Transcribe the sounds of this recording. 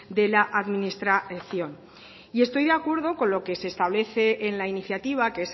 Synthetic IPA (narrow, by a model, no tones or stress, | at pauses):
d̪e̞laʔaðminist̪ɾaθjo̞n | ie̞st̪ojðeakwe̞ɾðo̞ko̞nlo̞ke̞se̞ːst̪aβ̞le̞θe̞ʔːnlainiθjat̪iβ̞akees